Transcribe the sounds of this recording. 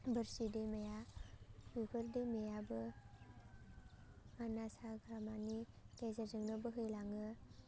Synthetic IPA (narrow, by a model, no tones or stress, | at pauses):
bəɾsidemɐja | jukʰɯɾdemejabɯ | manasaɡʱɾamani | kezəɾzɯŋnɯbɯɦɯjlaŋɯ